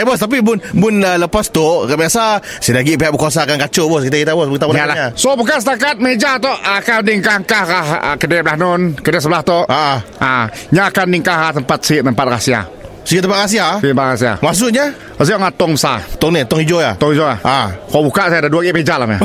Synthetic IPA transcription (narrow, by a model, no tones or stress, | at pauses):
ɛbɔst̪ap̬ibʊnbʊnələpast̪ʊkabiasa | sidaɡiʔpiɦaʔbəkas̬akankat͡ʃʊbɔskit̪̬aɡit̪abɔsbəkit̪abaaalaasobukansət̪akat̪̚məed͡ʒat̪oʔakandiŋkaŋkahahə̰kədeblahnʊnkədɛsəbəlaht̪oʔaʔa | aɲaːkanːiŋkahat̪əmpat̪̚sʔt̪əmpat̪̚rasia̰ | siɡit̪əmpat̪ɾas̬iait̪əmpat̪rasia̰mas̬ʊʔɲa | əs̬iʔaŋat̪ɔŋbəsat̪ɔŋnit̪ɔŋhid͡ʒojat̪ɔŋhid͡ʒoa̰hakabukaʔsaadaduaɡiʔpəed͡ʒalama̰